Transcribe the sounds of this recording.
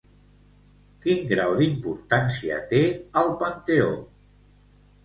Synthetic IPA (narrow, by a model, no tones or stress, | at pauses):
kiŋɡɾawðimpuɾt̪ansiə̰t̪eəlˠpənt̪eo